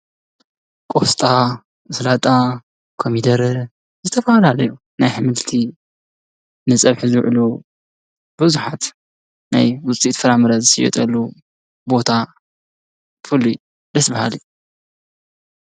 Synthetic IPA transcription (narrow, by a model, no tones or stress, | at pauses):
kʼost̪ʼa | slat̪ʼa | kʰomid̪ɐɾ | zɨt̪ʰɐfɐhalalɐju | najħɨmɨlt̪ʰi | nɨt͡sʼɐβħizɨwʕɨlu | bɨzuħat̪ | na̰jwʊt͡sʼit̪fɐɾamɐɾɐzɨsɨjɛ̰t̪ʼɐlːu | bo̞t̪ʰa | fɨlu | d̪ɐsbɐha̰lij